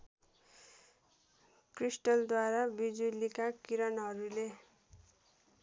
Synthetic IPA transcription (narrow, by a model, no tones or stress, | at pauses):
krisʈʌld̪waɾabid͡zulikakiɾʌnɦʌɾule